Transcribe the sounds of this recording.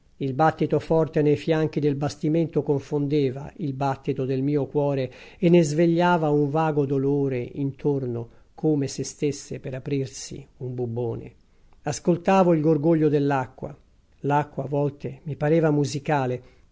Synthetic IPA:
ilbat̪ːit̪ofɔrt̪enejfjaŋk̟id̪elbast̪iment̪okoɱfond̪eːva̰ilbat̪ːit̪od̪elmiːokwɔːɾeenːezveʎːaːvauɱvaːɡod̪oloːɾeint̪ʰorno | kʰoːmesest̪esːepeɾapɾirsḭumbubːoːnḛ | askolt̪aːvoilɡorɡoʎːod̪elːakːwa̰ | lakːwavɔlt̪emipaɾɛːvamuzikaːle

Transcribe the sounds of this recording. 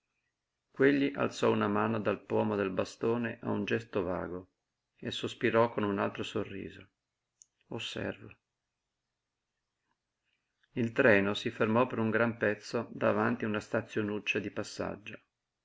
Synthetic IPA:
kweʎːiʔa̰lt̪sɔunamaːnod̪alpwɔːmod̪elbast̪oːneʔa̰und͡ʒɛst̪ova̰ːɡo | esospiɾɔkonunalt̪ɾosorːḭːzo | osːɛ̰rvo | ilt̪ɾɛːnosifermɔpːeɾuŋɡɾampɛt̪sːod̪avant̪iunast̪at̪sːjonut͡ʃːad̪ipasːa̰d͡ʒːo

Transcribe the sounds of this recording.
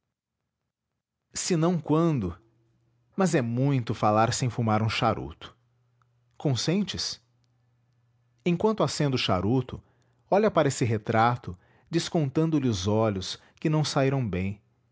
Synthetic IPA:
sɪnɐ̃w̃kwɐ̃d̪ʊ | mɐzɛmũj̃t̪ʊfalaɾsẽj̃fumaɾũʃaɾʔṵt̪ʊ̥ | kõsẽnt͡ʃɪs | ẽj̃kwɐ̃nt̪ʊasẽnd̪ʊʃa̰ɾut̪ʊ̰ | ɔʎɐpaɾɐesɪɦet̪ɾat̪ʊ | d͡ʒiskõnt̪ɐ̃nd̪ʊlɪʊzɔʎʊs | kɪnɐ̃w̃saiɾɐ̃w̃bẽj̃

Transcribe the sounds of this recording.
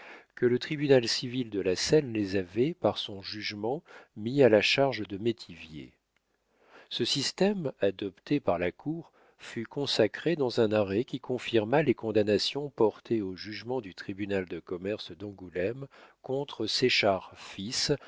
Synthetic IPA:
kələt̪χibynalsivild̪əlasɛnlezavɛpaʁsɔ̃ʒyʒmɑ̃mialaʃaʁʒd̪əmet̪ʰivjḛ | səsist̪ɛmad̪ɔpt̪epaʁlakʰuʁ | fykɔ̃sakχed̪ɑ̃zɛ̃naʁɛkʲikɔ̃fiʁmalekɔ̃d̪anasjɔ̃pɔʁt̪ʰeoʒyʒmɑ̃d̪yt̪χibynald̪əkɔmɛʁsd̪ɑ̃ɡulɛmkɔ̃t̪χəseʃaʁfis

